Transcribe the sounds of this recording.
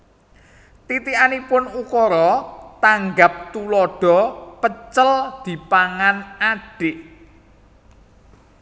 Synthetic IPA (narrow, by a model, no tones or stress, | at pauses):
t̪it̪iʔanipʊnukɔɾɔt̪aŋɡap̚t̪ulɔɖ̥ɔ̤pət͡ʃəld̪̥i̤paŋanaɖ̥ɪʔ